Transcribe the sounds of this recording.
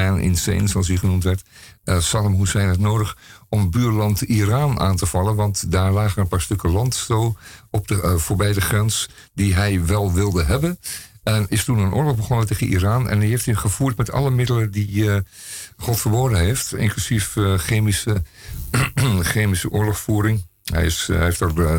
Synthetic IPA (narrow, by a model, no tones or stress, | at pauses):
anʔɪ̰nsḛnsɔlˠsiχənumtʋɛɹtsaləmɦusɛjnətnoːdəχɔmbyːɹlɑntiraːna̰ːntəv̥ɑlˠənʋɑntdaːɹlaːɣənənpaːɹstɵkəlɑntstoɔp̚dəfoːɹbɛjdəχrɛns | diɦɛjʋɛlˠʋɪlˠdəɦɛbənɛnɪstunənʔo̰ːɹlɔɣbəχɔnəteːɣənʔḭraːnɛ̰niɦeftiχəv̥uːɹtmɛtʰɑ̰ləmɪdələdi | χɔtfəɹboːdəɦeftɪ̰nklysifxeːmisə | xeːmisəʔʊːɹlɔxfuːɾɪŋ | ɦɛ̰jɪseftər